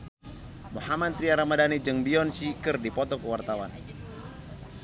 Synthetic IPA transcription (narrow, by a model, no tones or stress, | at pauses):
muhamad̪̚t̪ɾiaɾamadanid͡ʒɨŋbiɔnsikɨrdipɔt̪ɔkəwart̪awa̰n